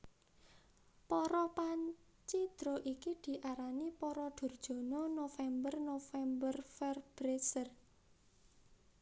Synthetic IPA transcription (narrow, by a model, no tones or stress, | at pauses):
pɔɾɔpaɲ | t͡ʃid̪̥ɾoʔikid̪̥i̤ʔaɾanipɔɾɔd̪̥o̤rd̥ʒ̥o̤nɔnofɛmbərnofɛmbərfɛrb̥ɾesər